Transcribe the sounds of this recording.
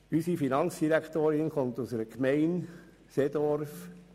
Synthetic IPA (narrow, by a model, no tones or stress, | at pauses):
ysifinɑnsd̥iɾækʰt̪oːɾɪnχont̪ʊsəɾəkmɛɪn | sed̥̪ɔɾf